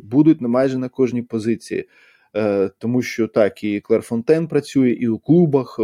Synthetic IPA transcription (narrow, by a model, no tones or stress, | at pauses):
bud̪ʊtʲnɐmɑjʒənɐkɔʒnʲipɔzɪt͡sʲḭjḭ | t̪ɔmuʃt͡ʃɔt̪ɑkiklˠɐrfɔnt̪ɛnpɾɐt͡sʲujɛʔiwklˠubɐx